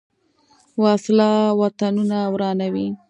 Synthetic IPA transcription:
wɑslɑwat̪anunawɾɑnawi

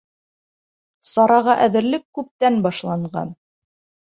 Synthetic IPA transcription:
sɑɾɑʁɑʔæðɘ̆ɾlɘkːʉp̚t̪ænbɑʃlˠɑɴɢɑ̰n

